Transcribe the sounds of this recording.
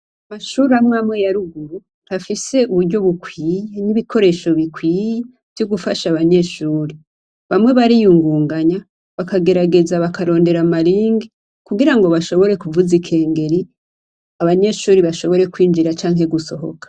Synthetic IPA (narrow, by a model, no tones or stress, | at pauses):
amaʃuːɾamŋaːmŋe̞jaɾuɡuɾu | ɾafiseuβuɾɟo̞βukwiːjeniβikʰo̞ɾe̞ʃo̞βikwiːje | v̥joɡufa̰ʃaβaɲe̞ʃuːɾe | βamŋe̞βaɾijuŋɡuːŋɡaɲa | βakaɡe̞ɾaɡe̞zaβakaɾo̞ːnde̞ɾamaɾiːŋɡi | kuɡiɾaŋɡo̞βaʃo̞βo̞ɾe̞kuvuzikʰe̞ːŋɡe̞ɾi | aβaɲe̞ʃuːɾiβaʃo̞βo̞ɾe̞kwiːnd͡ʒiɾat͡ʃaːŋɦe̞ɡuso̞ɦo̞̰kḁ